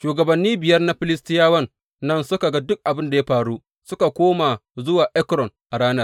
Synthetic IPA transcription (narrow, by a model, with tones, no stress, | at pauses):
ʃuː˨ɡɐ˨bɐ˨nːiː˦bɪ˨jɐ˦rna˦ɸɪ˨lɪ˦stɪ˦jaː˦wɐ˦nː | ɐ˦nsʊ˦ka˨ɡa˦dʊ˦k̚ʔa˨bɪ˦nda˨ja˦ɸaː˨ɽuː˦ | sʊ˦ka˨kʷoː˦ma˨zʊ˦waː˨ʔɛ˦kɾɔ˨nʔa˨ɽaː˦nɐ˦r